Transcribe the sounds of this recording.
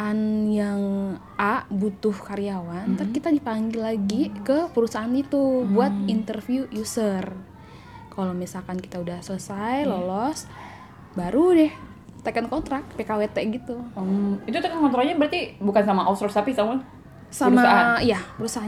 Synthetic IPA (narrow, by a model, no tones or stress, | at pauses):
anjaŋ | aʔbut̪ʊhkaɾiawant̪ərkit̪adipaŋɡilaɡikəpəɾusaanit̪ubuat̪̚int̪ərfiujusər | kalomisalkanki̥t̪audahsələsajlolɔs | baɾudɛh | t̪akankɔnt̪ɾak̚t̪pekawet̪ɛɡit̪uəit̪ut̪akankɔnt̪ɾakɲabəɾart̪ibukansamaʔast̪ɾɔsapisaman | saɾumaaaijapəɾusaa